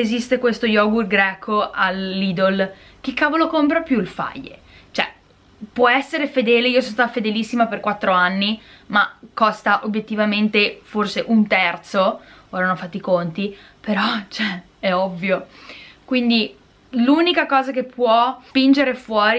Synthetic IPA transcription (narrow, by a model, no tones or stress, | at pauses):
ezist̪ekwest̪ojɔɡurɡɾɛkʰoalːiːd̪ol | k̟ikːaːvolokompɾapjuilfa̰jːḛ | t͡ʃoɛ | pwɔɛsːeɾefed̪ɛːleiosonst̪at̪afed̪elisːimaperkwat̪ːɾoanːi | makːɔst̪aʔobjet̪ːivament̪eforseʔunt̪ɛrt̪sooɾanɔfat̪ːikont̪i | peɾɔt͡ʃɛ | ɛɔvːjokwind̪i | lunikakɔːzakepʰːwɔspind͡ʒeɾefwɔːɾi